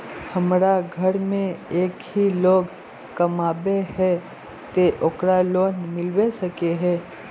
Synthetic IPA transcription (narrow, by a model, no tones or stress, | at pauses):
hɐmɾaɡʱɐɾmẽeːkɦiloːɡ | kɐmaːbeɦɛː | t̪eʔoːkɾaloːnmɪlwesɐkeɦɛː